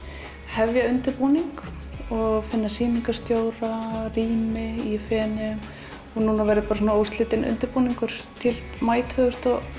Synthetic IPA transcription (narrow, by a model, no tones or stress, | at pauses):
hɛvjaʏnt̪ɪɾpuːniŋk | ɔɣfɪnːasiːmiŋkast̪joːwɾariːmɪifɛːnʏm | ɔnunavɛːɾɪðpaːɾasunaowst̪lɪːt̪ɪnʏ̰nt̪ɪɾpuːniŋkʏɾ̥t̪ʰɪlmaːjt̪ʰhœðʏst̪ɔ